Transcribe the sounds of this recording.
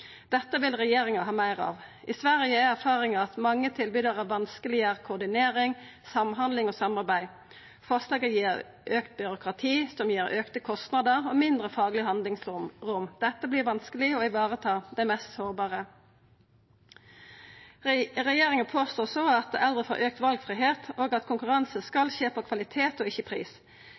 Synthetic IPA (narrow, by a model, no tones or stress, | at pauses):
d̪̥ɛt̪ːəʋɪlʁɛjeːʁɪŋɑɦɑːmæɪʁɑ̰ːʋ | ʔɪsʋæʁjəææʁfɑːʁɪŋɑɑt̪mɑŋːət̪ʰɪlbyːd̪əʁæʋɑnskəlɪəʁkʰʊːd̪ɪneːɾɪŋsɑmɦɑnd̪lɪŋoːsɑmɑʁbæɪ | fɑʁslɑːɡəjiːʁ | ʔøːkt̪̚bʏɾʊkʁɑt̪ʰiːsɔmjiːɾøːkt̪əkʰɔst̪nɑd̪əʁɔmɪnd̪ʁəfɑːɡlɪəɦɑnd̪lɪŋsʁʊmd̪̥ɛt̪ːəbliːʁʋɑnskəlɪɔɪʋɑːʁət̪ʰɑːd̪ɛmɛst̪soːʁbɑːʁə | ʁɛjeːʁɪŋənpʰoːst̪oːsoɑt̪̚ɛʔɛld̪ʁəfo̰ːɾʔøːk̚t̪ʋɑlɡfʁiːɦeːt̪oːɡɑt̪kʰʊŋkʉʁɑnsəskɑlʃeːpʰoːkʰʋɑlɪt̪ʰeːt̪ɔɪçːəpʰʁḭːs